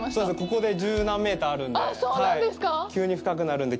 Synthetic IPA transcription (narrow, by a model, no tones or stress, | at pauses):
soːdesɨko̞ko̞d̪e̞d͡ʑɨːnãmːe̞ːt̪aːɾɯ̟̃ndesoːhaid̪esɨ̥kakʲɨːɲ̟iɸɯ̟̥kak̬ɯ̟naɾɯ̟̃nd̪e̞